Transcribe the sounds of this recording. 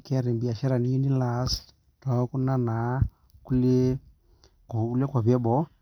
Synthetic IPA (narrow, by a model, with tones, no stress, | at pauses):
ke˦ɾi˨mbi˨a˨ʃe˦ɾa˨ni˦i˦ni˦la˨s | to˨˦ku˦na˦na˨ | ku˦le˦ | ko˨u˦le˦ka˨βe˦bo˦